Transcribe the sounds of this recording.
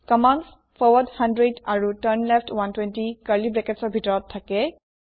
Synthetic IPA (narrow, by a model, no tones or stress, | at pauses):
kɔman | fʰɔwɔdhandɹedaɹutənlɛfʰtʰwantwɛntikaɹlibɹɛkɛtsɔɹbʱitɔɹɔtʰːakɛ